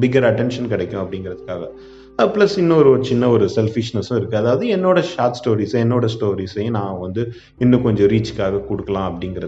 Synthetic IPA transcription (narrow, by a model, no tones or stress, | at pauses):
bɪɡɐɾɐʈɛnʂɐnkɪɽɛkʲːʊ̃ɐpːɐɽɪŋɡɪɾɐðɯkːaːɣɐ | plɐsɪnːɐ̃ɔɾɯɔɾɯt͡ʃɪnːɐɔɾɯsɛlfɪʂnɐsʊ̃ɪɾɯkːɯɐðaːʋɐðɯɛnːoːɽɐʃaːʈsʈoːɾiːsɐɛnːoːɽɐsʈoːɾiːsɐjʊ̃nãːʋɐnd̪ɯ | ɪnːɐ̃kɔɲd͡ʒɔ̃ɾiːt͡ʃɯ̥kːaːɣɐkɔɽɯkːɐlãːɐpːɐɽɪŋɡɪɾɐ